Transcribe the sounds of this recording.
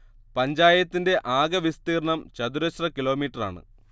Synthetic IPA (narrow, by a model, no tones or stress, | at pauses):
pɐɲd͡ʑaːjɐt̪ːinde̞ʔaːɡɐʋist̪iːrɳɐmt͡ɕɐd̪uɾɐɕrɐkilo̞ːmiːʈːɐra̰ːɳɨ̰